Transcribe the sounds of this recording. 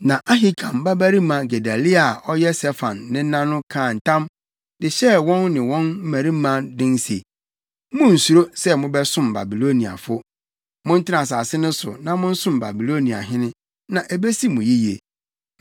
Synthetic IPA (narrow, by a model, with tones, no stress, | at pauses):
nã˨ʔa˦ɦi˦kʰã˨m˨ba˦bæ˦ɾi˦mã˨ɡe˨da˨li˦a˨ɔ˦jɛ˦sɛ˦fã˨nːɪ̃˦nã˦nʊ̃˦kʰãː˦˨n̩˨tʰã˦m | dɪ˨ɕɛ˦wɔ̃˦nːɪ̃˨wɔ̃˦nm̩˦mæ˨ɾi˦mã˦dɪ̃˦n˦sḛ˨ | mʊ̃˦n̩˨su˨ɾo˦sɛ˦mʊ̃˦bɛ˦sʊ̃˦mba̰˨bi˨lo˦nĩ˨a̰˨fʊ˦ | mʊ̃˦n̩˦tʰɪ˦nã˨s̬a˨sɪ˦nʊ̃˦sʊ̰˨nã˦mʊ̃˦n̩˦sʊ̃˦mba̰˨bi˨lo˦nĩ˨a̰˨ɦɪ̃˦nɪ̃˦ | nã˨ʔe˨be˦si˦mʊ̃˨ji˦jḛ˨